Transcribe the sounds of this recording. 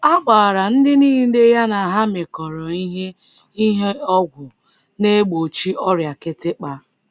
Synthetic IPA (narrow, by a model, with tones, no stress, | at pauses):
a˦ɡ͡baː˨ɾa˨n̩˦dɪ˦niː˦ɦde˦ja˦na˨a˨ɦa˦me˨kɔ˨ɾɔ˨i˦ɦe˦ | i˦ɦe˦ɔ˦ɡʷʊ˨ | ne˦ɡ͡bo˨t͡ʃi˦ʔɔ˦ɾja˨kɪ˦tɪ˦k͡pa˦